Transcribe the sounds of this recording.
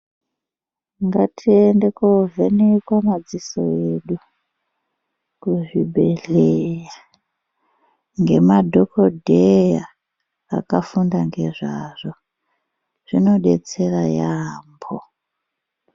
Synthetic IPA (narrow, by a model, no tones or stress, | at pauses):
ŋɡatʰiendekovenikwamad͡ziso̰jeɗu | kuʐibʱe̞ɮeja | ŋɡe̞madʱokʰodʱeja | a̰kafundaŋɡeʐaʐ̥o | ʐ̥ino̞ɗet͡serajaːmbʰo